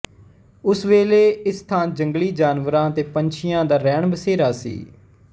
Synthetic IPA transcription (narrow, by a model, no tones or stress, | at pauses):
ʊsʋeːleːɪst̪ʰãːnd͡ʒəŋɡliːd͡ʒaːnʋəɾãːt̪eːpəɲt͡ʃʰɪjãːd̪aːɾɛːɳbəseːɾaːsḭː